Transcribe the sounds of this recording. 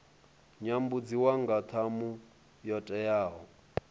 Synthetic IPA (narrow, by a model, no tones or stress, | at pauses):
ɲambud͡ziwaŋɡat̪ʰamu | jɔtʼɛjaːɦɔ